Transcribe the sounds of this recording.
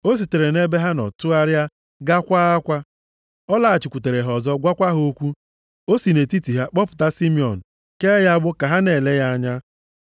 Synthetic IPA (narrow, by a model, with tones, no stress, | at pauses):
o˦s̬i˨te˨ɾe˨ne˦be˦ɦa˦nɔ̰˨tʊ˦a˦ɾja˦ | ɡa˦kʷa˦a˦kʷa˦ | ɔ˦la˦˨t͡ʃɪ˨kʷu˨te˨ɾe˨ɦɔ˨zɔ˦ɡʷa˦kʷa˦ɦo˦kʷu˦ | o˦si˨ne˨ti˦ti˨ɦa˦k͡pɔ˦pʊ̥˨ta˦si˦mi˨ɔ˨n̩˨ | ke˦ja˦bʊ˦ka˨ɦa˦ne˨le˦ja˦a˦ɲa˦